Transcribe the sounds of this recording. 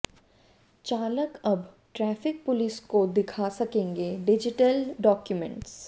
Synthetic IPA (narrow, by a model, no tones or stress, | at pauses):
t͡ʃaːləkɐb | ʈɾɛːfɪk̚pʊlɪskod̪ɪkʰasɐkẽːŋɡeɖɪd͡ʒɪʈəlɖɔːkjʊmɛ̰̃ɳʈs